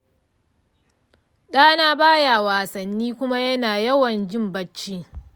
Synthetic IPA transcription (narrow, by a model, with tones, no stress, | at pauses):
ɗaː˦naː˦baː˦jaː˨waː˨sɐ˨nːiː˦kʷʊ˦ma˦jɐ˦naː˨jɐ˦wɐ˨nd͡ʒɪ˦mbɐ˦t͡ʃːiː˦